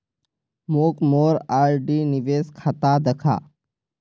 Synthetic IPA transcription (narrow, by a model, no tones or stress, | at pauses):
moːkmoːɾaɾɖiːniʋeːskʰat̪ad̪əkʰa̰